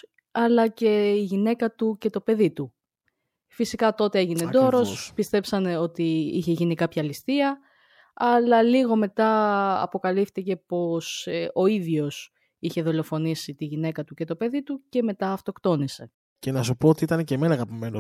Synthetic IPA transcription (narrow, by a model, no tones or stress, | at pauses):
ɐlɐce̞iʝine̞kɐt̪uce̞t̪o̞pe̞ðit̪u | fisikɐt̪o̞t̪e̞e̞ʝined̪oɾo̞sspist̪e̞psɐneo̞t̪iiçe̞ʝinikɐpçɐlist̪iɐ | ɐlɐliɣo̞me̞t̪ɐɐ̰po̞kɐlift̪ice̞po̞so̞iðʝo̞s | içe̞ðolo̞fo̞nisit̪iʝine̞kɐt̪ucet̪o̞pe̞ðit̪uce̞me̞t̪ɐːft̪o̞kt̪o̞nise̞ | ce̞nɐsupoot̪iit̪ɐneceme̞nɐkɐpimeno